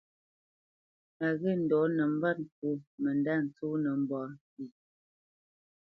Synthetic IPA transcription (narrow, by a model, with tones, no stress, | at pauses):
a˨ɣi˦˨n̩˨dɔ˨˦nə˨m̩˦ba˦t̚ŋ̩˨k̚u˦mə˨nda˦˨n̩˨t͡suː˦nə˨m̩˨bɔː˨˦ti˨